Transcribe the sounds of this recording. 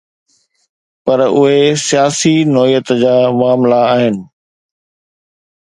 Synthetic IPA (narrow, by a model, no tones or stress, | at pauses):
pɐɾʊɦesijaːsinɔːijət̪d͡ʑaːʋaːmlaaːɦɪnɪ̆